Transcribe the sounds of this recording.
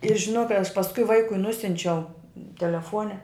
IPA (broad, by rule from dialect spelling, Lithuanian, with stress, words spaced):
ɪr ʒʲɪˈnoːk kɐɪ ɐʃ pɐsˈkʊɪ ˈʋɐɪkʊɪ ˈnʊsʲʊnʲt͡ʃʲɛʊ tʲɛlʲɛˈfoːnʲɛ